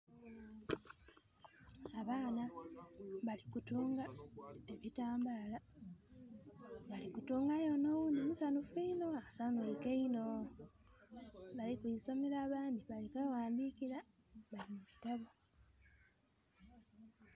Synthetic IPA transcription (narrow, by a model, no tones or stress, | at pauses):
aβaːna | βalikutuːŋɡae̞βitaːmbaːla | βalikutuːŋɡajonounimusanufinoasanweikeino | βalikuiso̞meɾaːβaːndiβalikwewaːndikiɾa | βalimuβitaβo